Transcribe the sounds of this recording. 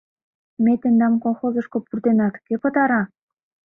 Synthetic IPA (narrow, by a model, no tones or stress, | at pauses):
met̪ĕnd̪ɑmkolˠxozɤ̆ʃkŏpurt̪enɑt̪kepɤ̆t̪ɑɾɑ